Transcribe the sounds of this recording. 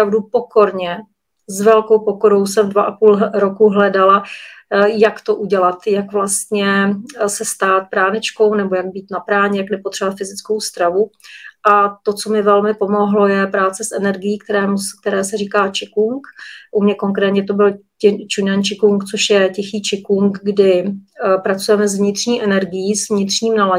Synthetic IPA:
ɾavdupoko̞ɾɲɛ | zvɛlkowpo̞ko̞ɾo̞ws̬ɛmdvaʔapuːlɾokuɦlɛdala | jakt̪o̞ʔuɟɛlat̪jakvlast̪ɲɛsɛst̪aːt̪̚pɾaːnɪt͡ʃko̞wnɛbojaɡ̚biːt̪napɾaːɲɛjaknɛpot̪rɛbat̪fɪzɪt͡skowst̪ɾavuʔat̪o̞t͡so̞mɪvɛlmɪpo̞mo̞ɦlo̞jɛpɾaːtt͡sɛsʔɛnɛɾɡɪjiːkt̪ɛɾɛːmusk̚t̪ɛɾɛːsɛriːkaːt͡ʃɪkuŋkʔumɲɛko̞ŋkɾɛːt̪ɲɛt̪o̞bɪlcɪt͡ʃunant͡ʃɪkuŋkt͡soʃjɛcɛxiːt͡ʃɪkuŋkɡdɪpɾat͡sujɛmɛzvɲɪt̪r̥ɲiːʔɛnɛɾɡɪjiːzvɲɪt̪r̥ɲiːmnala

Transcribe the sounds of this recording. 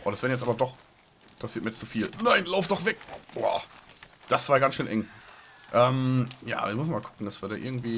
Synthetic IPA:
ʔoːdasv̥ɛːɐəjɛt͡staːbɐdɔχ | pasiːɐt̚mːiɐɛt͡sufiːlnaɪnlaʊfd̥ɔχv̥ɛkwa̰ːd̥asv̥aːɐɡansʃøːnʔɛŋ | ʔɛːmja̰ːviːɐmʊsn̩maːlkʰʊ̥kŋ̩dasv̥iɐdaːʔɪ̰ɐɡŋ̩tv̥iː

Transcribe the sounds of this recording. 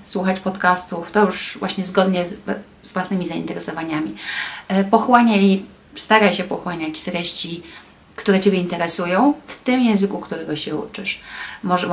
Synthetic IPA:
swuxat͡ɕpɔt̪kast̪uft̪ɔjuʂvwaɕɲɛzɡɔd̪ɲɛ | zvwasnɘmʲizaḭnt̪ɛɾɛsɔvaɲamʲi | pɔxwaɲai | st̪aɾajɕɛpɔxwaɲat͡ɕst̪ɾɛɕt͡ɕi | kt̪uɾɛt͡ɕebʲjɛint̪ɛɾɛsujɔ̃w̃ft̪ɘmjɛ̃w̃zɘkukt̪uɾɛɡɔɕɛṵt͡ʂɘʂmɔʐɛ

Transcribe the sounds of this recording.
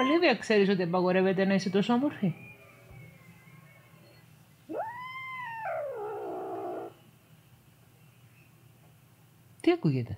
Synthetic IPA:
oliviɐkseɾis̬ot̪iɐpɐɣoɾevet̪enaisit̪osomoɾxi | t̪iɐkuʝet̪e

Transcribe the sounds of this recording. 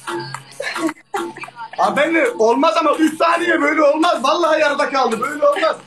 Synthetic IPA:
abænlɛo̞lˠmazamaʔyʃsaːlʲijɛbøjlʲɛo̞lˠmazvalˠːaɦajaɾd̪akʰalˠd̪ɯbøjlʲɛo̞lˠmaz̥

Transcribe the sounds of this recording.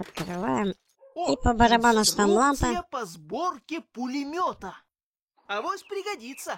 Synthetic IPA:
ɐt̪̚kɾɨvajɪm | ipəbəɾɐbanʊʂt̪ɐmlˠant̪əepɐzborkʲɪpʊlʲɪmʲot̪ə | ɐvosʲpɾʲɪɡɐdʲit̪sə

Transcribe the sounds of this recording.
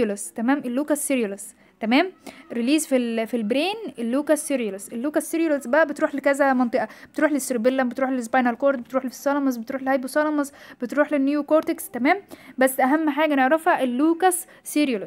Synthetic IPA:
lest̪æmæːmʔelːuːkæsːeɾjoles | t̪æmæːmɾiliːzfilfilbɾeːnelːuːkæsːiɾjælesʔelːuːkæsːiɾjolesbæʔæbet̪ɾuːħlekæzæmɑnt̪ˤeʔɑbet̪ɾuːħlest̪ɾbelːæmbet̪ɾuːħleles̬bɑjnælkoɾd̪bet̪ɾuːħlifi̥sˤːɑlɑmɑzbet̪ɾuːħlehæjbusɑlɑmɑsb̥et̪ɾuːħlenːjukoɾt̪ekst̪æmæːmbæsːʔæɦæmːħaːɡæneʕɾˤɑfhæʔelːuːkæsː | iɾjol

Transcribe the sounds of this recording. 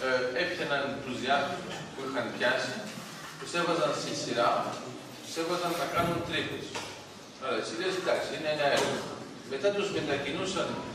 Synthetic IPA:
efçenɐnt̪uzðjɐt̪ususpuixɐnpçɐsi | puse̞vɐzɐnsisiɾɐ | se̞vɐzɐnːɐkɐnunt̪ɾit̪es | oɾɐesiɾesid̪ɐksiineeɲɐeɾɣɐ | me̞t̪ɐt̪uspend̪ɐcinusɐn

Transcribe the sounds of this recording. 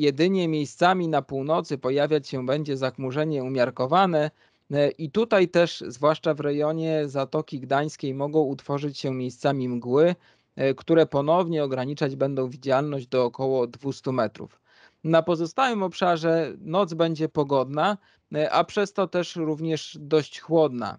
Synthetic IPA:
jɛd̪ɘɲɛmʲjejst̪samʲinapuwnɔt̪sɘpɔjavʲjat͡ɕɕɛbɛɲd͡ʑɛzaxmuʐɛɲɛumʲjaɾkɔvanɛ | ʔit̪ut̪ajt̪ɛʂzvwaʂt͡ʂavɾɛjɔɲɛzat̪ɔkʲiɡd̪aj̃skʲejmɔɡɔ̃w̃ut̪fɔʐɘt͡ɕɕɛmʲjejst̪samʲimɡwɘ | kt̪uɾɛpɔnɔvɲɛɔɡɾaɲit͡ʂad͡ʑbɛnd̪ɔ̃w̃vʲid͡ʑalnɔʑd͡ʑd̪ɔːkɔwɔd̪vust̪umɛt̪ɾṵf | napɔzɔst̪awɘmɔpʂaʐɛnɔd̪zbɛɲd͡ʑɛpɔɡɔd̪na | ʔa̰pʂɛst̪ɔt̪ɛʂɾuvɲɛʂd̪ɔɕt͡ɕxwɔd̪na̰

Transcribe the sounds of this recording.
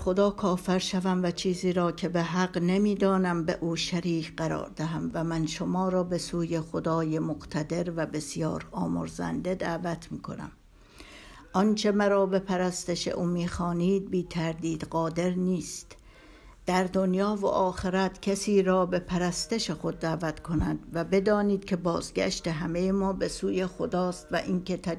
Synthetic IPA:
xo̞d̪ɒːkʰɒːfeɾʃævæmvæt͡ʃʰiːziːɾɒːcʰe̞beɦæɡnemiːd̪ɒːnæmbeʔuːʃæɾiːcɢæɾɒ̰ːɾd̪æɦæmvæmænʃo̞mɒːɾɒːbe̞suːjexod̪ɒːje̞moqt̪ʰæd̪e̞ɾvæbe̞sjɒ̰ːɾɒːmo̰ɾzæ̰nd̪e̞d̪ævæt̪ʰmiːkʰo̞̰næ̰m | ʔɒnt͡ʃʰe̞mæɾɒːbe̞pʰæɾæst̪eʃḛʔuːmiːxɒːniːd̪̚biːt̪ʰæɾd̪iːd̪ɢɒːd̪e̞ɾniːst̪ | d̪̥æɾd̪o̞njɒːvo̰ʔɒːxe̞ɾæt̪cʰæsiːɾɒːbe̞pʰæɾæst̪e̞ʃe̞xo̞d̪ːæːvæt̪kʰo̞næd̪væbe̞d̪ɒːniːd̪̥kʲʰe̞bɒːzɡæ̰ʃt̪e̞ɦæme̞jemɒːbe̞suːje̞xod̪ɒːst̪væ̰ʔinke̞t̪ʰæ

